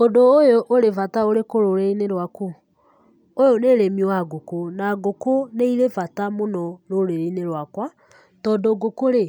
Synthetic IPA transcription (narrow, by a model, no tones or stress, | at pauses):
odoːjoʔoɾevataoɾekoɾoɾeineɾwako | ojoneɾemiɔwaɡokonaːɡokoneiɾevatamonɔɾoɾeɾeineɾwakwa | tɔdoɡokoɾe